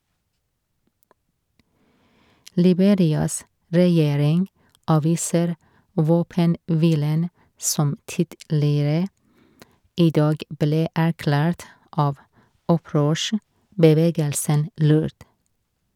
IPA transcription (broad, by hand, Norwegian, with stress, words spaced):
lɪˈbeːɾɪɑs ɾɛˈjeːɾɪŋ ˈʔɑːʋiːsəɾ ˈʋoːpənˌʋiːlən ˈsɔm ˈtɪdlɪɾə ˈiː ˈdɑːɡ ˈbleː æɾˈklæːɾt ˈʔɑːʋ ˈɔˌpɾøːʃəbəˌʋeːɡəlsən ˈlʉːɾd